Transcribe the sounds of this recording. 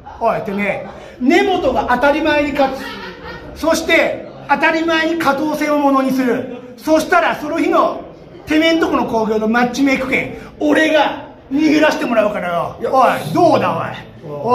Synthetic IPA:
ot̪ːene | ne̞mo̞t̪o̞ɡaʔat̪aɾʲimaeɲ̟ika | so̞ɕi̥t̪e̞ | at̪aɾʲimaeɲ̟ikat̪o̞ːse̞ːomo̞no̞ɲ̟isɨɾɯ̟ | so̞ɕi̥t̪aɾaso̞no̞çino̞ | t̪e̞mẽ̞nt̪o̞kɯ̟no̞ko̞ːɡʲo̞ːnomat͡ɕːime̞ːkɯ̟̥kẽ̞ŋoɾe̞ɡa | ɲʲihɯɾaɕi̥t̪e̞mo̞ɾaɯ̟kaɾajood̪oːd̪ao̰e

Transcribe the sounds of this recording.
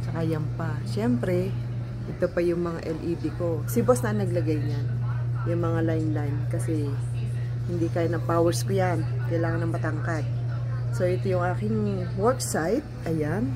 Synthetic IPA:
t͡ʃɐkajɐmpaʃɛmpɾɛ | ʔɛt̪o̞pɐjʊŋmɐŋa̰ʔɛlʔid̪iko̞sɪbosnɐʔɐnːɐɡlɐɡajnjanjʊŋmɐŋalajnlajnkɐsɛ | hɪnd̪ikaːjanɐpawɛɹskojan | kɐjlaːŋɐnɐŋmɐt̪ɐŋkat̪̚ | so̞ʔɛt̪ojʊŋʔaːkɪŋ | wɛbsajt̪̚ʔɐjan

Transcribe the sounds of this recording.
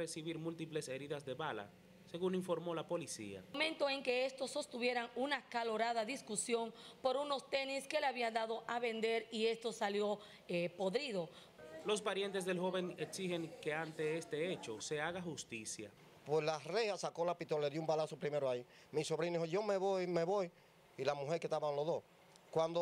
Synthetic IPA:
resiβiɾmult̪iple̞se̞ɾiðasðe̞βala̰ | se̞ɣuniɱfo̞ɾmo̞lapo̞lisḭa̰mẽ̞nt̪o̞e̞ŋke̞est̪o̞sːo̞st̪uβje̞ɾaŋunakalo̞ɾaðaðiskusjo̞ŋpo̞ɾuno̞st̪e̞niske̞leaβiand̪aðo̞ʔaβe̞nd̪e̞ɾie̞st̪o̞saljo̞ | po̞ðɾiðo̞ | lo̞spaɾje̞nt̪e̞s̬ðe̞lɦo̞βe̞ŋeksihe̞ŋke̞ant̪e̞est̪e̞et͡ʃose̞aɣaxust̪isja̰ | pwe̞slareasako̞lapit̪olaleðjumbalasopɾime̞ɾoai | miso̞βɾiniɦoʝo̞meβojmeβo̞j | ilamuheɾket̪aβanloðos | kwand̪o

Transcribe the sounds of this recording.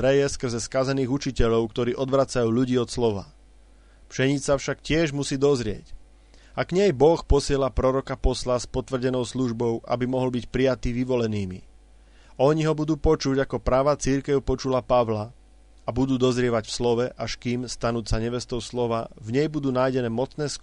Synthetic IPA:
ɾɛjɛskr̩zɛskazɛniːɣut͡ʃicɛʎɔʊkt̪ɔɾiːʔɔd̪ʋɾat͡sajuːʎuɟiːɔt̪slɔʋa̰ | pʃɛɲit͡safʃakcɪɛʒmusiːd̪ɔzɾɪɛ̰c | aɡɲɛjbɔxpɔsɪɛlapɾɔɾɔkapɔslaspɔt̪ʋr̩ɟɛnɔʊsluʒbɔʊʔa̰bimɔɦɔlbicpɾijat̪iːʋiʋɔlɛniːmḭ | ɔɲiɦɔbud̪uːpɔt͡ʃuɟakɔpɾaːʋaːt͡siɾkɛʊpɔt͡ʃulapaʋla | abud̪uːd̪ɔzɾɪɛʋacfslɔʋɛʔaʃkiːmst̪anuːsaɲɛʋɛst̪ɔʊslɔʋavɲɛjbud̪uːnaːjɟɛnɛːmɔt͡snɛːsk

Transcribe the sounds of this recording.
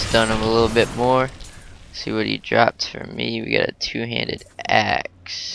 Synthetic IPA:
sd̥ʌ̃nʌ̃məlɪɾl̩ˠbɪt̚mɔɹ | siwʌɾjɨ̰dɹɑp̚tfə̰˞miwiɡɑ̰ɾɨ̰tʰʉɦæ̰̃ndɨɾæ̰ks

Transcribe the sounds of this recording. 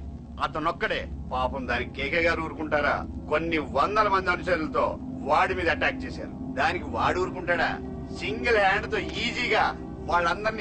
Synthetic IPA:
ɐt̪ɐnɔkːɐɽḛːpaːpɐmd̪aːnikikɛːkɛːɡaːɾuːɾukuɳʈaːɾa̰ːkonːiʋɐnd̪ɐlɐmɐnd̪iɐnuʃɐːnulɐt̪o̞ː | ʋaːɽimiːd̪ɐɐʈaːk̚t͡ʃeːsa̰ːɾud̪aːnikiʋaːɽuːɾukuɳʈaːɽa̰ː | siŋɡɐlɦaːɳɖt̪o̞ːiːd͡ʒiːɡaː | ʋaːɭːɐnd̪ɐɾn

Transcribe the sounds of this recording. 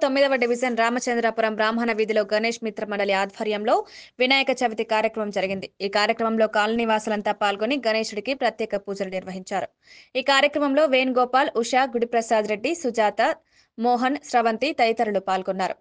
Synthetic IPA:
t̪o̞mːid̪ɐʋɐɖiʋid͡ʒɐnɾaːmɐt͡ʃɐnd̪ɾapuɾɐmbɾaːmɦɐnɐʋiːd̪ʱilo̞ːɡɐne̞ːʂmit̪ɾɐmɐɳɖɐliaːd̪ʱɐɾjɐmlo̞ːʋinaːjɐkɐt͡ʃɐʋit̪ikaːɾjɐkɾɐmɐmd͡ʒɐɾiɡind̪iiːkaːɾjɐkɾɐmɐmlo̞ːkaːlɐniʋaːsulɐnt̪aːpaːlɡoniɡɐneːʂuɽikipɾɐt̪jɛːkɐpuːd͡ʒɐlɐniɾʋɐɦiɲt͡ʃaːɾu | iːkaːɾjɐkɾɐmɐmlo̞ːʋeːnɡɔːpaːluʂaːɡuɽipɾɐsaːd̪ɾe̞ɖːisud͡ʒaːt̪ɐ | mɔːɦɐnsɾɐʋɐnt̪it̪ɐjt̪ɐɾulupaːlɡonːaːɾṵ

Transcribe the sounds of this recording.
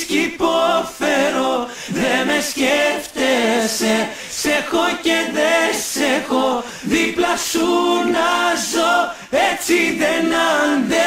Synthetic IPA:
scipofeɾo | ðemesceft̪ese | sexoceðesexo | ðiplɐsunɐzo | et͡siðenɐnd̪e

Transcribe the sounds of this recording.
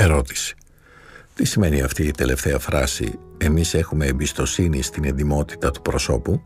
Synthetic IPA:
e̞ɾo̞t̪i̥si̥ | t̪isime̞niɐft̪iːt̪e̞le̞ft̪e̞ɐfɾɐ̰sḭe̞mise̞xume̞ːmbist̪o̞sinist̪inend̪imo̞t̪i̥t̪ɐt̪u̥pɾo̞so̞̰pu

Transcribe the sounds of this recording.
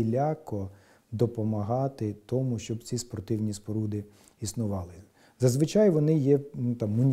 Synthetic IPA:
ilʲakɔ | d̪ɔpɔmɐɦɑt̪ɪt̪ɔmʊʃt͡ʃɔbt͡sʲispɔrt̪ɪwnʲispɔɾud̪ɪ | isnʊʋɑlˠɪ | zɐzʋɪt͡ʃɑjʋɔnɪjɛnut̪ɑmːʊnʲ

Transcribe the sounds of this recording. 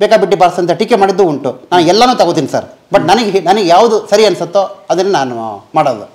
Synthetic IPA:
bɛːkabiʈːibaːɾsɐnt̪ɐʈikːemaːɽid̪ːuuɳʈunaːnuɛlːɐnuːt̪ɐɡot̪iːnisɐ̰ɾbɐʈnɐnɐɡenɐnɐɡejaːʋud̪usɐɾiɐnsot̪ːoɐd̪ɐnːenaːnumaːɽoːd̪u

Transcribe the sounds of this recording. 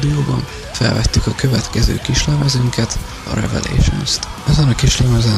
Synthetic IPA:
d̪ijoːbɒɱ | fɛ̰lvɛt̪ːykɒkøvɛt̪kɛzø̰ːkiʃlɛmɛzyŋkɛt̪ | ɒ̰ɾɛ̰vɛ̰lʔḛːʃonst̪ɛzɛnɒkiʃlɛmɛzɛ

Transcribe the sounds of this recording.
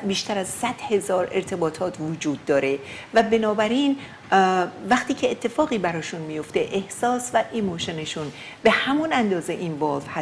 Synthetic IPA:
biːʃt̪æɾæzsæd̪̥he̞zɒːɾe̞̰ɾt̪ʰe̞bɒːt̪ʰɒːt̪ʰvod͡ʒuːd̪ːɒːɾe̞væbe̞nɒːbæɾiːn | væχt̪iːcʰeːt̪ʰːe̞fɒːɣiːbæɾɒːʃunmijo̞ft̪eʔehsɒːsvæʔemoʃeneʃun | be̞hæmunænd̪ɒːze̞ʔiːnvɒːvhæ

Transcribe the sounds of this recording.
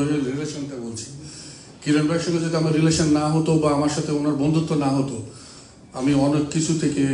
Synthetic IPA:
oelɾileʃonʈabolt͡ɕʰi̥ | kiɾanbɾajkʃɔkod͡ʑet̪amaɾileʃonːaɦot̪obaamaɾʃat̪ʰeonaɾbɔnd̪ʱut̪ːonaɦot̪o | amiɔnekːit͡ɕʰut̪ʰeke

